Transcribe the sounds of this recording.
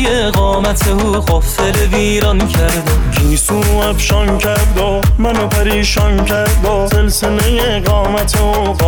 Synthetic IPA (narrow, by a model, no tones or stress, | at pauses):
je | ɣɒːmæt̪ʰeuɢɔfeleviːɾɒncʰæɾd̪obiːsuːæbʃɔŋcʰæɾd̪o | mænopʰæɾiːʃɒŋcʰæɾd̪oselselejeɡɒːmæt̪ʰeuː